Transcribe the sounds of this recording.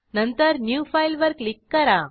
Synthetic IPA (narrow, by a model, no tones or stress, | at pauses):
nɐnt̪əɾnjuːfajlʋɐɾklikːɐɾa